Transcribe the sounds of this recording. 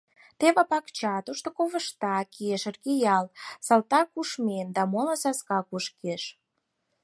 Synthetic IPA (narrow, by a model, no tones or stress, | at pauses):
t̪eβɑpɑkt͡ɕɑt̪uʃt̪okoβə̆ʃt̪ɑkieʃərkejɑlsɑlt̪ɑkuʃmend̪ɑmolɑsɑskɑkuʃkeʃ